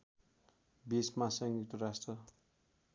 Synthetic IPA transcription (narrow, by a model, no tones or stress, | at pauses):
bismasʌŋɡit̪uɾasʈrʌ